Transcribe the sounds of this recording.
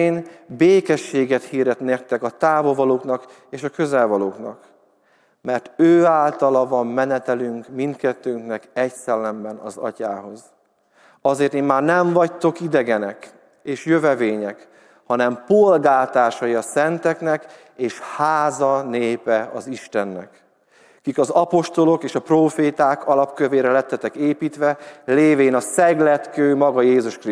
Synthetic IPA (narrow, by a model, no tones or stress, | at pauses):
eːnbeːkɛʃːeːɡɛt̪hiːrd̪ɛt̪neːrt̪ːɛkɒt̪aːvovɒloːknɒk | eːʃɒkø̞zɛlvɒloːknɒ̰k | mɛrt̪øːaːlt̪ɒlɒvɒmːɛnɛt̪ɛlyŋkmint̪kɛt̪ːøːŋknɛkɛcsɛlːɛmbɛnɒ̰zɒ̰caːɦo̞z | ɒzeːrt̪eːmmaːrnɛɱvɒct̪o̞kid̪ɛɡɛnɛk | eːʃjøvɛveːɲɛk | hɒnɛmpolɡaːt̪aːʃɒjiɒsɛnt̪ɛknɛk | eːʃhaːzɒneːpɛɒziʃt̪ɛnːɛ̰k | kikɒzɒpo̞ʃt̪o̞lo̞keːʃɒproːfeːt̪aːkʰɒlɒpkøveːɾɛlɛt̪ːɛt̪ɛkeːpiːt̪ʋɛleːveːnɒsɛɡlɛt̪køːmɒɡɒjeːzuʃkri